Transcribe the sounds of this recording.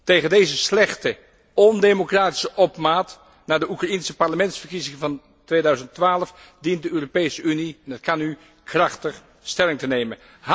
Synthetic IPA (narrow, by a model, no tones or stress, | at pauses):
tejχəndejzəslɛχtə | ɔndemokraːti̥səʔɔpmaːt | naːdəʔukrɑinsəpɑɹləmɛntsfərkizɪŋəvɑn | tʋeːdœɥzəntʋaːləfdint̚dəøːropejsəʔyniɛnɦətkɑny | krɑχtəχ | stɛlɪŋtənejmən | ɦ